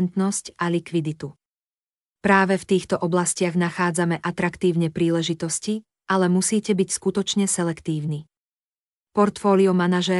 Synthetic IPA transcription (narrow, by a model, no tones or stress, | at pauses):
nt̪nɔscalikʋid̪it̪u | pɾaːʋɛft̪iːxt̪ɔʔɔblascɪaɣnaxaːd͡zamɛʔat̪ɾakt̪iːʊɲɛpɾiːlɛʒit̪ɔsci | ʔalɛmusiːcɛbicskut̪ɔt͡ʃɲɛsɛlɛkt̪iːʊni | pɔɾt̪fɔːliɔmanaʒɛ